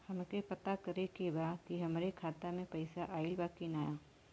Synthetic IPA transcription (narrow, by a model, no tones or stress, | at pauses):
hɐmkepɐt̪akɐɾekebaːkiɦɐmɾekʰaːt̪amẽpɐɪsaʔaːɪlbaːkinaːjaː